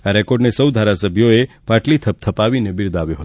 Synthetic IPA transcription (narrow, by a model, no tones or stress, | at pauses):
aɾɛkoɖnesəwd̪ʱaɾasəbʱjoe | paʈlit̪ʰəp̚t̪ʰəpaʋinebɪɾd̪aʋjoɦət̪